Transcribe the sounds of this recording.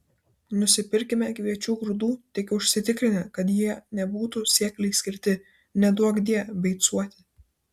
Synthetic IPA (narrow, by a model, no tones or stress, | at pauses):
nʊsʲɪpʲɪɾʲkʲɪmʲɛkʋʲiɛt͡ʃʲuːɡɾʊd̪uːt̪ʲɪkʲʊʃʲsʲɪt̪ʲɪkɾʲɪnʲɛkɐt̪jiɛnʲɛbuːt̪usʲiɛklʲɛɪsʲkʲɪɾʲt̪ʲɪ | nʲɛd̪uɔɡd̪ʲiɛbʲɛɪt̪suɔt̪ʲɪ